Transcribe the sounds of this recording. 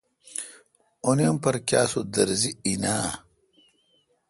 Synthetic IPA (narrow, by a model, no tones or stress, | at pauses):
onimpɐɾkja̰ːsud̪ɐɾziinaː